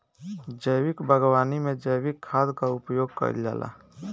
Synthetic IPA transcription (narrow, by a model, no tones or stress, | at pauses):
d͡ʒəjwɪkbʱəɡwaːnimẽd͡ʒəjwɪkʰːaːd̪kaʊpjoːɡ̚kə̰ɾd͡ʒa̰ːlʔa̰ː